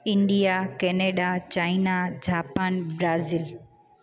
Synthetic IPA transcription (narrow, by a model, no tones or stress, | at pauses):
ɪ̃ɳɖijakɛːneːɗat͡ɕaːɪnad͡ʑaːpaːnbɾaːzil